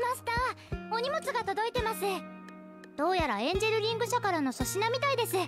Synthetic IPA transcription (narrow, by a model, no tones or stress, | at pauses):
maɕi̥t̪a | o̞ɲ̟imo̞t͡sɨɡat̪o̞d̪o̞it̪e̞masɨ | d̪̥o̞ːjaɾaẽ̞ɲ̟d͡ʑeɾɯ̟ɾʲĩŋɡɯ̟ɕakaɾano̞so̞ɕinamʲit̪aid̪e̞sɨ